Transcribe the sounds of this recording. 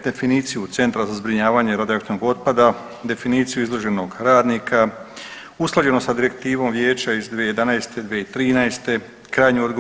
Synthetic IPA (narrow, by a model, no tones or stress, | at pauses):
d̪e̞finiːt̪sijut̪se̞nt̪ɾazazbɾiɲaːʋaːɲe̞ɾad̪iakt̪inoɡo̞t̪̚pad̪a | d̪e̞finiːt̪sijuizlˠo̞ʒe̞no̞ɡɾaːd̪nikʰa | usklˠad͡ʒe̞nosad̪iɾe̞kt̪iːʋo̞mʋjeːt͡ɕaizd̪ʋejed̪anaest̪e̞d̪ʋeit̪ɾiːnaest̪e̞ | kɾaːjɲuod̪ɡo